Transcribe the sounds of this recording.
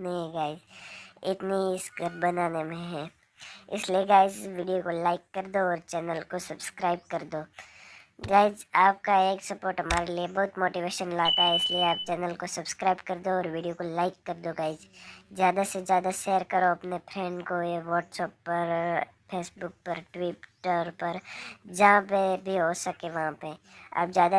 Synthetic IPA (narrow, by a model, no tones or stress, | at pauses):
nɐɦĩɡaːɪd͡ʒɪt̪niɪsɡəɾbɐnaːnemẽɦɛ̃ː | ɪ̰slieɡaːɪd͡ʒʋiːɖijokolaːɪkːɐɾd̪oɔːɾt͡ʃɛːnəlkosɐbskɾaːɪb̚kɐɾd̪oː | ɡaːɪd͡ʒaːp̚kaeːksɐpoːɾʈɦɐmaːɾeliebɐɦʊt̪moːʈiʋeːʃənlaːt̪aɦɛɪslieaːp̚t͡ʃɛːnəlkosɐbskɾaːɪbkɐɾd̪oɔːɾʋiːɖijokolaːɪkːɐɾd̪oɡaːɪd͡ʒzjaːd̪asezjaːd̪aʃeːəɾkɐɾoɐpnepʰɾɛ̃ɳɖkoeʋɔːʈsɛːpːɐɾ | pʰeːsbʊk̚pɐɾʈwɪʈəɾpɐɾd͡ʒɐɦãpebʱiɦosɐkeʋɐɦãpea̰ːp̚zjaːd̪a